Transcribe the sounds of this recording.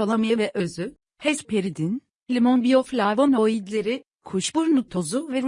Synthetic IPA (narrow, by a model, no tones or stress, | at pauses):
olˠamijevɛʔøzy | hɛspʰeɾid̪in | lʲimonbijoflʲajvonoid̪lʲe̞ɾi | kʰuʃb̥uɾnut̪ʰo̞zuvɛɾ